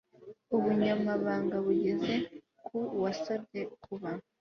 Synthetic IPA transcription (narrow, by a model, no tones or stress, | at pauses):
uβuɲamaβaːŋɡaβuɟe̞ze̞ | kʰuwasabɟe̞kʰuβa